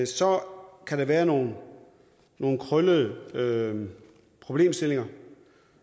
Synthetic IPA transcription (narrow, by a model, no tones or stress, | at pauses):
sɒkʰæɾɑʋæːɐno̝ːn̩ː | o̝ːn̩kʰʁœləð̩ˠə | pʰʁo̝b̥le̝̰ːmsd̥e̝le̝ŋɐ